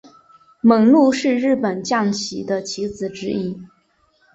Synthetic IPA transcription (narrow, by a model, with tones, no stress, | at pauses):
mɤ˨˩˥ŋlu˥˧ʂɻ̩˥˧ɻɻ̩˥˩pə˨˩nt͡ɕjɑ˥˩ŋt͡ɕʰi˨˥d̪ə˦t͡ɕʰi˧˥t͡sɹ̩˨˩ʈ͡ʂɻ̩˥i˥